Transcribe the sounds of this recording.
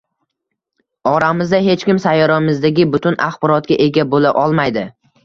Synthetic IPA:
ɒɾamɪzd̪aɦe̞t͡ʃkʲɪmsajːɒɾamɪzd̪aɡʲɪbʊt̪ʰʊnʔaχbɒɾɒt̪̚ɡʲaʔe̞ɡʲabolaʔɒlˠmajd̪ɪ

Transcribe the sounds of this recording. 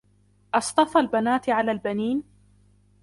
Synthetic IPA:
ʔɑsˤt̪ˤɑfalbanaːt̪ʕalaːlbaniːn

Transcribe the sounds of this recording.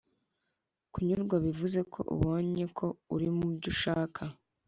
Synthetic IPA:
kuɲuɾɡwaβivuze̞kʰo̞̰ʔṵβo̞ːɲe̞kʰo̞uɾimubɟuʃaːkʰa

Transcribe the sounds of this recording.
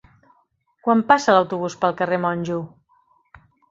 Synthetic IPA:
kwampasələwt̪uβ̞uspəlˠkəremɔnʲʒu

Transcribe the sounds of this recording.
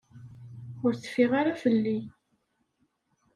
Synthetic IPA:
ʊɾθə̥fiʁaɾafəlːi

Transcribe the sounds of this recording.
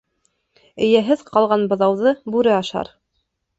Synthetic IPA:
ɘ̆jæɦɘðqɑlˠʁɑnbɤ̆ðɑwðɤbʉɾɘɑʃɑ̰ɾ

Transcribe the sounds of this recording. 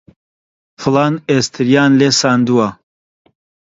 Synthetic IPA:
fɨlaːnest̪ʰɨɾjaːnleːsaːnd̪uwa

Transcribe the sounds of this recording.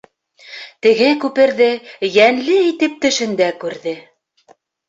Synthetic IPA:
t̪ɘ̆ɡɘkʉpɘ̆ɾðɘjænlɘit̪ɘp̚t̪ɵ̆ʃɵ̆nd̪ækʉɾðɘ

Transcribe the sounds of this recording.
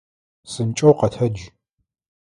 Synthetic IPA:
sɨnt͡ʃʼɐwqɐtʰɐd͡ʒ

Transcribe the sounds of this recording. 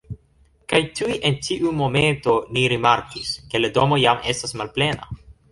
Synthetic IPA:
kajtujʔentiʔumo̞me̞nto̞niɾimaɾkiske̞lado̞mo̞jame̞̰stasmalple̞na̰

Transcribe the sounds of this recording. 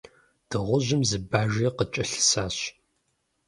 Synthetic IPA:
d̥ɨʁʷʊʑɪmzɨbaːʒiːqət͡ʃʼɐɬɨ̥saːɕ

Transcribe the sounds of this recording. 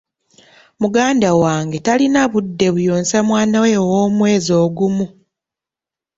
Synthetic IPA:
muɡaːndawaːŋɡe̞talinaβudːe̞βujoːnsamwaːnawe̞wo̞ːmwe̞ːzo̞ːɡumu

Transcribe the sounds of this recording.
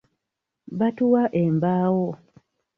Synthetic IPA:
βatuwaʔembaːwo

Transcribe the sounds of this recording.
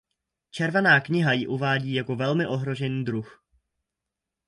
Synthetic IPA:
t͡ʃɛɾvanaːkɲɪɦajɪʔuvaːɟiːjako̞vɛlmɪʔo̞ɦɾo̞ʒɛniːd̪ɾux

